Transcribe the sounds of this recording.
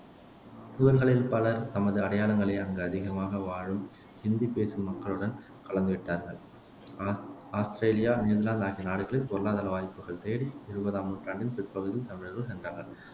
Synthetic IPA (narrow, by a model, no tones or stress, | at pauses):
ɪʋɐɾɣɐɭɪlpɐlɐɾt̪ɐmɐðɯɐɽɐjaːlɐŋɡɐɭɐɪɐŋɡɐɐðɪɣɐmaːɣɐʋaːɻɯm | hɪnd̪ipeːsɯmːɐkːɐɭɯɽɐn | kɐɭɐnd̪ɯʋɪʈːaːɾɣɐɭ | aːst̪ɪɾeːlɪjaːniːðɐɾlaːnd̪aːɣinaːɽɯɣɐɭɪlkɔɾɐlaːðɐlɐʋaːjpːɯɣɐɭt̪eːɽiɪɾɯbɐðaːmɯʈraːɳɖɪnpɪɾpɐɣɯðɪlt̪ɐmɪɻɾɯɭsɛndraːɣɐɭ